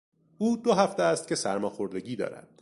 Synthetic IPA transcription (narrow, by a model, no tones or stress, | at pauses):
uːd̪oɦæft̪eæst̪̚cʰʲe̞sæɾmɒːxo̞ɾd̪e̞ɟiːd̪ɒ̰ːɾæ̰d̪̥